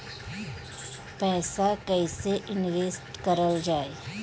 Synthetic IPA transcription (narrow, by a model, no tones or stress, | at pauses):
pɛːsakɛiseʔɪnʋeːsʈkəɾəld͡ʒaːeː